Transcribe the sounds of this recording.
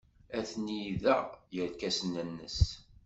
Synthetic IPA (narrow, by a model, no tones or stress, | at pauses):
æθnijiðæjəɾkæsənənːə̰s